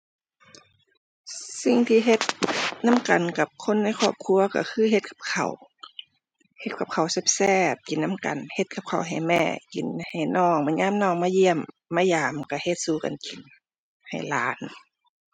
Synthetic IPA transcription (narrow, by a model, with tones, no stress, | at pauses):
si˧˩ŋt̪ʰiː˧ɦe˧˦t̪̚na˧˥˨mka˨˩nka˧p̚kʰo˧˥˨nːa˧˩˨jkʰɔː˧˩p̚kʰu˧˨ɐka̰˧˩kʰɯː˧˨ɦe˧t̪̚kʰḁ˧p̚kʰa̰˨˩w | he˧t̪̚kʰa˧˩p̚kʰa˨˩wse˧˥˦p̚sɛː˧˩p̚ki˨nːa˧˥˨mka̰˨˩nhe˧t̪̚kʰa˧p̚kʰa˨˩wɦa˧˩jmɛ̰ː˧˩ki˨˩nha˨˩jnɔː˧˩ŋma˧˥˨ɲaː˧˥˨mnɔː˧˨ŋmaː˧˥˨ji˧˨əmː | aː˧˥˨jaː˨mka˧˩he˧t̪̚suː˧˦ka̰˨nki˨˩n | ha̰˨˩jlaː˨˦n